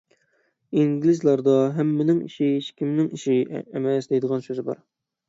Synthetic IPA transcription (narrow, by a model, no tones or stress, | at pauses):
iŋɡʲlɪzlˠɑɾd̪ɑɦɛmːɪnɪŋḭʃɪʃkʲʰimnɪŋiʃiemɛsd̪ejd̪əʁɑnsøzɪbɑ̰ɾ